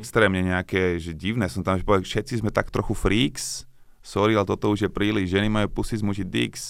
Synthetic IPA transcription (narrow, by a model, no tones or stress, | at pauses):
kst̪ɾɛːmɲɛɲɛakɛʒɛɟiʊnɛːsɔmnt̪amʒɛpɔʋɛfʃɛt̪t͡sizmɛt̪ak̚t̪ɾɔxufɾiːks | sɔɾialɛt̪ɔt̪ɔuʒjɛpɾiːliʒʒɛnimajuːpusizmuʃid̪ḭks